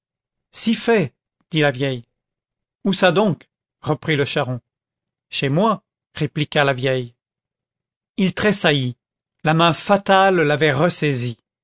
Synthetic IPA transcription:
sifɛ | d̪̥ilavjɛj | usad̪ɔ̃k | ʁəpχiləʃaʁɔ̃ | ʃemwa | ʁeplikalavjɛj | ilt̪χesaji | lamɛ̃fat̪alːavɛʁəsɛzi

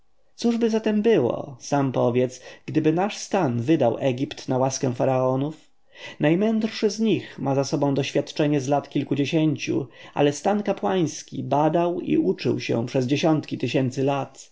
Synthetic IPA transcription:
t̪suʐbɘzat̪ɛmbɘwɔ̰sampɔvʲjɛt̪sɡ̥d̪ɘbɘnaʂst̪anvɘd̪awʔɛɡʲipt̪nawaskɛ̃w̃faɾaɔnuf | najmɛnd̪rʂɘzɲixmazasɔbɔ̃w̃d̪ɔɕfʲjat̪t͡ʂɛɲɛzlat̪kʲilkud͡ʑeɕeɲt͡ɕṵʔa̰lɛst̪ankapwaj̃skʲḭbad̪awḭʔut͡ʂɘ̰wɕɛ̰̃pʂɛzd͡ʑeɕɔnt̪kʲit̪ɘɕɛnt̪sɘlat̪

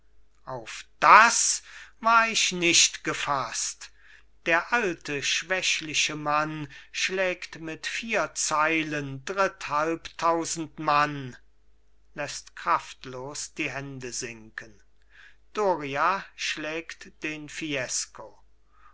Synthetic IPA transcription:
ʔaʊfd̥asvaːɐɪʃnɪʃtɡ̥əfast | d̥eːɐʔaltəʃv̥ɛʃlɪʃəmanʃlɛːktmɪtfiːɐt͡saɪləndʁɪthalptʰːaʊzn̩tman | lɛstkʁ̥aftloːsd̥iːɦɛndəzɪŋkən | d̥oːʁiaʃlɛːktd̥eːnfiɛsko

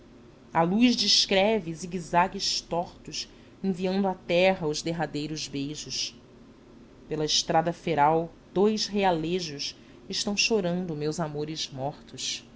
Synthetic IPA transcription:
aluʒd͡ʒiʃkɾɛviziɡizaɡɪʃt̪ɔχt̪ʊs | ẽviɐ̃nd̪ʊat̪ɛɦɐʊzd̪eɦad̪ejɾʊzbejʒʊs | pelɐɪʃt̪ɾad̪ɐfeɾaw | d̪̥ojzɦealeʒʊs | ɪʃt̪ɐ̃w̃ʃoɾɐ̃nd̪ʊmewzamoɾɪzmɔχt̪ʊs

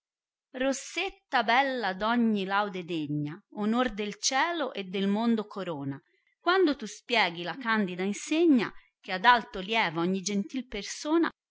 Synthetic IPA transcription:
rosːet̪ːabɛlːad̪ɔɲːilawd̪ed̪eɲːaonord̪elt͡ʃɛːloʔed̪ːelmond̪okʰoɾoːna | kwand̪ot̪uspjɛːɡilakand̪id̪ainseɲːa̰ | k̟ead̪alt̪oljɛːvaɔɲːid͡ʒent̪ilpersoːna̰

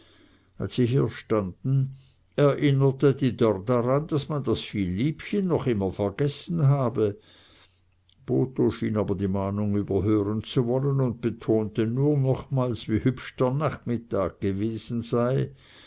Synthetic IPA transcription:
ʔa̰lsːiːɦiːɐʃtandn̩ | ɛɐʔɪnətədiːdɔʁdaʁand̥asmandasfiːlːiːpçənːɔχɪmɐfɛɐɡɛsn̩ɦaːbə | b̥oːtoʃiːnaːbɐdiːmaːnʊŋyːbɐɦøːʁənt͡suvɔlənʊnt̚b̥ətʰoːntənuːɐnɔχmaːlsvihʏpʃtəɐnaχmɪtaːk̚ɡ̥əveːz̥n̩z̥aɪ

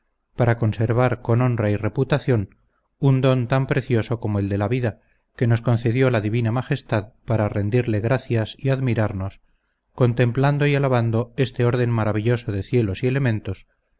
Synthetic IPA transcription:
paɾako̞nse̞ɾβ̞aɾko̞no̞nraire̞put̪aθjo̞n | und̪o̞nt̪ampɾe̞θjo̞so̞ko̞moeld̪e̞laβiða | ke̞no̞sko̞nθe̞ðjo̞laðiβinamaχe̞st̪aðpaɾare̞nd̪iɾle̞ɣɾaθjasiaðmiɾaɾno̞s | ko̞nt̪e̞mpland̪oialaβand̪oe̞st̪e̞o̞ɾð̞e̞mmaɾaβiʎo̞so̞ð̞e̞θje̞lo̞sie̞le̞mẽ̞nt̪o̞s

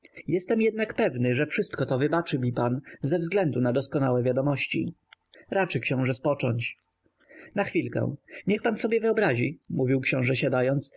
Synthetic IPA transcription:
jɛst̪ɛmjɛd̪̚nakpɛvnɘʐɛfʂɘst̪kɔt̪ɔvɘbat͡ʂɘbʲipanzɛvzɡlɛnd̪unad̪ɔskɔnawɛvʲjad̪ɔmɔɕt͡ɕḭ | ɾat͡ʂɘkɕɔ̃w̃ʐɛspɔt͡ʂɔɲt͡ɕ | naxfʲilkɛ̰w̃ɲɛxpansɔbʲjɛvɘɔbɾaʑimuvʲiwkɕɔ̃w̃ʐɛɕad̪ajɔnt̪s

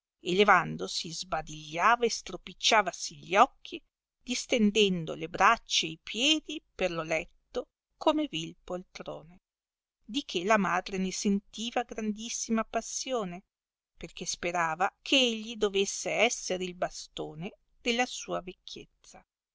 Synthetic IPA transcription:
elevand̪osizbad̪iʎːaːvaest̪ɾopit͡ʃːaːvasiʎɔkʰːi | d̪ist̪end̪ɛnd̪o̰lebɾat͡ʃːeejpʰjɛːd̪iperlolɛt̪ːo | kʰomevilpolt̪ɾo̰ːne | d̪ikʰelamad̪ɾenesent̪iːvaɡɾand̪isːimapasːjoːne | perkespeɾaːvakʰeeʎːid̪ovesːeɛsːeɾeilbast̪oːne | d̪̥elːasuːavekʰːjet̪sːa

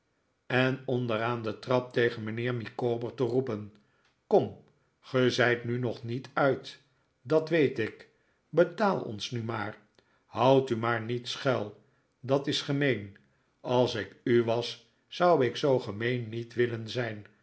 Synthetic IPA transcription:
ɛnɔndəɾaːndətrɑp̚tejχənmənɪːɹmikoːbəɹtərupən | kɔm | χəzɛjtnynɔχnitʰœɥt | dɑtʋejtɪk | bətaːlˠɔ̰nsnymaːɹ | hʌwtymaːɹnitsχɛlˠ | dɑtɪsχəmejn | ɑlˠsɪkyʋɑsː | ʌwɪksowχəmejnːitʋɪlənzɛjn

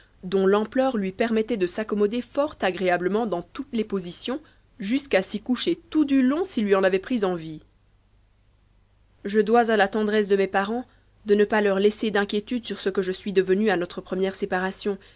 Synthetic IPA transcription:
d̪ɔ̃lɑ̃plœʁlɥipɛʁmɛt̪ɛd̪əsakɔmɔd̪efɔʁt̪aɡʁeabləmɑ̃d̪ɑ̃t̪ut̪lepozisjɔ̃ | ʒyskasikuʃet̪ud̪ylɔ̃silːɥiɑ̃navɛpχizɑ̃vi | ʒəd̪wazalat̪ɑ̃d̪ʁɛs̬d̪əmɛpaʁɑ̃ | d̪ənəpalœʁlɛsed̪ɛ̃kʲjet̪yd̪syʁsəkəʒəsɥid̪əvənyanɔt̪χəpχəmjɛʁsepaʁasjɔ̃

